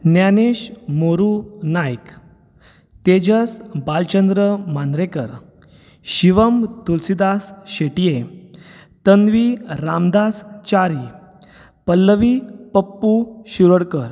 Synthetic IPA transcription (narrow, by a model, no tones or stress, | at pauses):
njaneɕmoɾunajk | t̪ed͡ʑəsbalt͡ɕənd̪ɾəmand̪ɾekəɾ | ɕiʋəmt̪ulsid̪asɕeʈije | t̪ənʋiɾamd̪ast͡ɕaɾi | pəlːəʋipəpːuɕuɾəɽkəɾ